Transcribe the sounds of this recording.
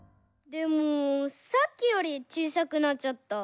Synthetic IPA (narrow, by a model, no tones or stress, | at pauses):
d̪emosak͈ːioɾit͡ɕisakɯnat͡ɕʌt̪ːa